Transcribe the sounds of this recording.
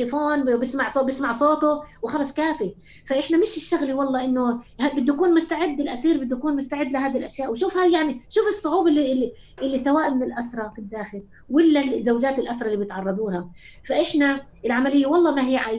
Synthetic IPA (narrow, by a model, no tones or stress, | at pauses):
lɪfoːnbɪsmaʕsobɪsmaʕsˤoːt̪ʊwɪxɑlɑsˤkaːfi | faʔɪħnamɪʃɪʃːaɣliwɑlˤːɑːʔɪnːʊhabɪd̪ːukuːnmʊst̪aʕɪd̪ːɪlʔasiːɾbɪd̪ːukuːnmʊst̪aʕɪd̪ːlɪɦaːd̪ilʔaʃjaːʔwʃuːfhajaʕniʃuːfɨsˤːʊʕuːbɪlːi | ʔɪlːisawaːʔmɪnɪlʔasɾˤɑfɪd̪ːaːxɪɾ | wɪlːazːawd͡ʒaːt̪ɪlʔasɾˤɑʔlːibjɪt̪ʕɑrˤːɑd̪ˤuːha | faʔɪħna | ɪlʕamalɪjːawɑlˤːɑːmaɦɪjːʕa